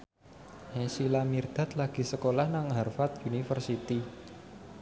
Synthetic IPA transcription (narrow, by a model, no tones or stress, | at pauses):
hesilamird̪̥a̤t̪laɡ̥i̤səkolahnaŋɦarfat̪̚unifərsit̪i